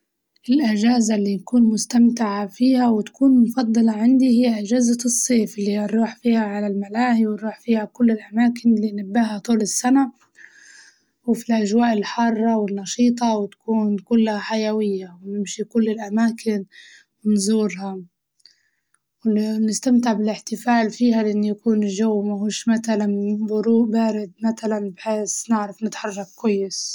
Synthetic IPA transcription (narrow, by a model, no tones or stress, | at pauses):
ʔɪlʔɪʒaːzalːiːnakuːnmʊst̪amt̪ɪʕafiːhawɪt̪ḁkuːnmʊfɑd̪ˤːɑlɑʕand̪ihɪjːaʔɪd͡ʒaːzasˤːeːflːiːaɾˤuːħfiːhaʕalalmalaːhiwɪɾuːħfiːhakʊlːɪlʔamaːkɪnɪlːiːnabːaɦat̪ˤuːlɪsːana | wɪfilʔaʒwaːʔɪlħɑrˤːɑwɪnːɑʃiːt̪ˤɑwɪt̪ḁkuːnkʊlːhaħajawɪjːawnɪmʃikʊlːɪlʔamaːkʰɪn | wɪnzuːɾha | wɪnɪst̪amt̪ɪʕbɪlɪħt̪ɪfaːlfiːhalʔɪnːjakuːnʒawːmahuːʃmat̪alanbʊɾuːʔbaːɾɪd̪̚mat̪alanbħeːsnɪʕɾafnɪt̪ħɑrˤːɑkkːwajːɪs